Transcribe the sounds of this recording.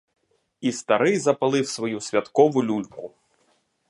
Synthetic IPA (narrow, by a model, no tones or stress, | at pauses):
ist̪ɐɾɪjzɐpɐlˠɪwsʋɔjusʲʋʲɐt̪kɔʋʊlʲulʲkʊ